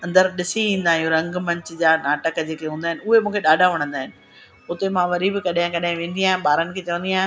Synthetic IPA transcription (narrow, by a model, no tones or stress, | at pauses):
ɐ̃nd̪əɾɗɪsiʋĩːn̆d̪aːɦijũɾɐ̃ŋɡmɐ̃ɲt͡ɕʊd͡ʑaːnaːʈəkd͡ʑeːkeɦũːnd̪aːɦɪnɪ̆ʊɦemũːkʰeɗaːɖʱaʋɐɽ̃ə̃nd̪aːɦɪnɪ̆ | ʊt̪emãʋɐɾibɪkɐɗɪ̃kɐɗaɦɪ̃ʋẽːn̆d̪iaːɦɪ̃nɓaːɾənɪ̆kʰeːt͡ɕɐʋə̃nd̪iaːɦɪ̃